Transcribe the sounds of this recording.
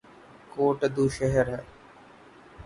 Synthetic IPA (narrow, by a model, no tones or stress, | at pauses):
koːʈd̪uːʃəɦəɾɦɛ